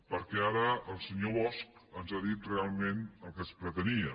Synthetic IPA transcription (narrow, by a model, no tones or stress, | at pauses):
pəɾkɛaɾəəlˠsəɲoβɔsk̚ənzaðit̪realˠmenəlˠkəspɾət̪əniə